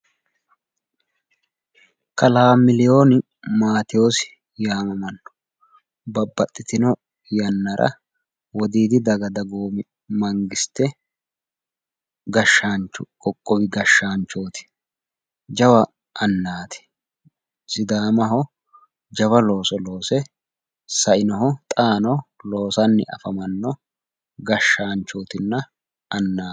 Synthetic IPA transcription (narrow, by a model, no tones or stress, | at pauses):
kɐlaːmɪlɪjoːnɪ | maːt̪ɪjoːsɪ̥ | jaːmɐmɐnːɔ̥ | bɐbːɐt̪ʼːɪt̪ɪnɔ | jɐnːɐɾʔɐ̰ | wɔd̪iːd̪ɪd̪ɐɡɐd̪ɐɡoːmɪ | mɐŋɡɪst̪ɛ | ɡɐʃːaːnt͡ʃʊkʼɔkʼːɔwɪɡɐʃːaːnt͡ʃːoːt̪ɪ̥ | d͡ʒɐwɐ | ɐnːaːt̪ɪ̥ | sɪd̪aːmɐɦɔ | d͡ʒɐwɐlo̞ːsɔlo̞ːsɛ | sɐʔɪnɔɦɔt̪ʼaːnɔlo̞ːsɐnːɪ̰ʔɐ̰fɐmɐnːɔ | ɡɐʃːaːnt͡ʃːoːt̪ɪnːɐ | ɐnːaː